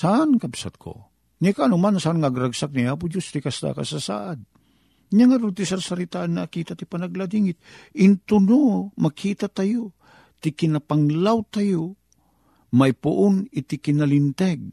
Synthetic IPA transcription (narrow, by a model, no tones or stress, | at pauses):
saʔankabsa̰t̪̚kʰo̰ | nɪkaːnʊmansaʔanŋaʔːɡɾaɡsak̚niaːp̬ʊd͡ʒost̪ɪkast̪a̰ka̰sasa̰ːʔad̪̚ | ɲaŋaɾʊt̪ɪsaɾsaɾɪt̪aʔanːakiːt̪at̪ɪpanaɡlad̪iŋɪt̪̚ɪnt̪ʊnomakʰiːt̪at̪ajo | t̪ɪkɪnapaŋlawt̪ajo | majpʊʔʊnɪt̪ɪkɪnalɪnt̪ɛɡ̚